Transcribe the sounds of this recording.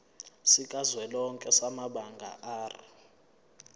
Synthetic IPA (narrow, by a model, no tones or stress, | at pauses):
sikʼazwɛlɔŋkʼɛsamaɓaŋɡʱa̰ʔaːrḭ